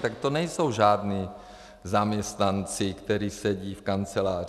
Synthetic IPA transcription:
t̪akt̪onɛjso̞wʒaːdniː | zamɲɛst̪nant͡sɪkt̪ɛɾiːsɛɟiːfkant͡sɛlaːr

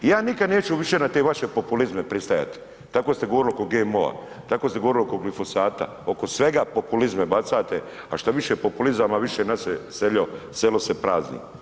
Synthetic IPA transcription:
jaːnikad̪neːt͡ʃuʋiʃe̞nat̪e̞ʋaʃepo̞pulizmepɾist̪aja̰t̪e̥ | t̪akost̪eɡo̞ʋoɾilio̞koɡemoa̰ | t̪akoːst̪eɡooɾilio̞ko̞ɡlifo̞zaːt̪a̰ | o̞ko̞sʋe̞ɡapopulizmebat̪saːt̪e | aʃt̪aʋiʃepopulizamaʋiʃenaseseʎoselosepɾaːznḭ

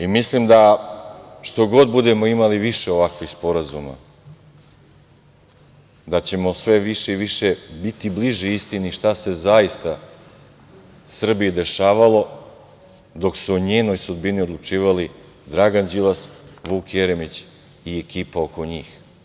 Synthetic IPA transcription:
imislimd̪a | ʃt̪o̞ɡo̞d̪̚bud̪e̞mo̞imaliʋiʃe̞o̞ʋakʋixspo̞ɾazuma̰ | d̪at͡ɕe̞mo̞sʋe̞ʋiʃeiʋiʃebit̪ibliʒiist̪iniʃt̪ase̞zajist̪a | sr̩bijed̪e̞ʃaːʋalo̞ | d̪o̞ksuoɲeːno̞jsud̪binio̞d̪lˠut͡ʂiːʋali | d̪ɾaɡand͡ʑilasʋuːkjeɾemit͡ɕ | ie̞kiːpao̞ko̞ɲiːx

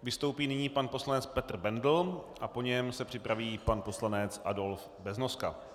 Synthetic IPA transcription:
vɪst̪o̞wpiːnɪɲiːpanpo̞slanɛt͡spɛt̪r̩bɛndl̩ʔapo̞ɲɛmsɛpr̝̥ɪpɾaviːpanpo̞slanɛt͡sʔa̰do̞lf | bɛznoska

